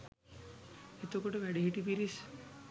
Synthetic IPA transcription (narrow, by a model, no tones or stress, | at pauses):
et̪okoʈoʋɛɖiɦiʈipiɾis